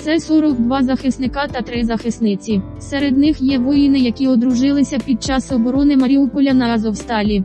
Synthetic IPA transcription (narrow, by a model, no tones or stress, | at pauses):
t̪sɛsɔɾɔkd̪ʋɑzɐxɪsnɪkɑt̪ɐt̪ɾɪzɐxɪsnɪt͡sʲi | sɛɾed̪nɪxjɛʋɔjinɪjɐkʲiɔd̪ɾʊʒɪlˠɪsʲɐpʲid̪̚t͡ʃɑsɔbɔɾɔnɪmɐɾʲiupɔlʲɐnɐzɔwst̪ɑlʲi